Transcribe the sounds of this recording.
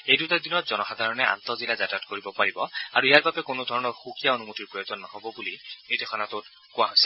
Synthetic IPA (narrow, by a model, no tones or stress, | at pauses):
ejdutadinɔtzɔnɔxad̪ʱaɹɔnɛa̰nt̪ɔzilazatatkoɹibɔpaɹibɔaɹuijaɹbabɛkonodʱɔɹɔnɔɹxukijaonumutiɹpɹɔjozɔnːahɔbɔbulinitexʰɔnatʊt̚ | kʊaɦojsɛ